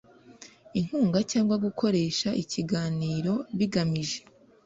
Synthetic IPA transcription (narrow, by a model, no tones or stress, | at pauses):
in̥huːŋɡacaːŋɡwaɡukʰo̞ɾe̞ːʃaʔiciɡaːniːɾo̞βiɡamiʒe̞̥